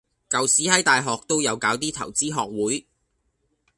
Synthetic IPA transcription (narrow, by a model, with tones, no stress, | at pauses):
kɐ˨wsiː˨˥hɐ˨˥jt̪aː˨jɦɔː˨k̚t̪o˥wjɐ˨˧wkaː˨˥wt̪iː˥t̪ʰɐ̰˨˩wt͡siː˥ɦɔː˨k̚wuː˨˥j